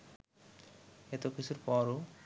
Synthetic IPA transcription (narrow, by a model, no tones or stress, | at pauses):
et̪okit͡ɕʰuɾpɔɾo